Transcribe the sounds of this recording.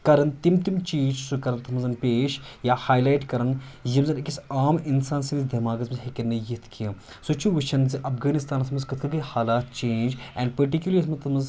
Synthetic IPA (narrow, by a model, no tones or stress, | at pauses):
kɐɾɐnt̪imt̪imt͡ʃiːd͡ʒsukɐɾɐnt̪ɐmɐzɐnpeːʃjaːhaːjlaːjʈkɐɾɐnjimzɐnkisaːminsaːnsɐmizd̪ɐmaːɡɐzmɐzɦɐkʲɐnɐjit̪ʰkʰiɐ | sot͡ʃʰuʋɐt͡ʃʰɐnziʔɐfɡaːnist̪aːnɐsmɐzkɐt̪ʰkʰɐɡɐhaːlaːt̪̚t͡ʃẽːnd͡ʒɛːɳɖpɐɾʈikʲjuliɾsmɐt̪ɐmɐz